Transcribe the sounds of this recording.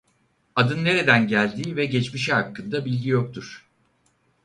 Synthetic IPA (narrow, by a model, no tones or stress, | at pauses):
ad̪ɯnːe̞ɾe̞d̪ænɟælʲd̪iːvɛɟɛt͡ʃmiʃiɦakʰːɯnd̪abilʲɟijok̚t̪ʰuɾ̥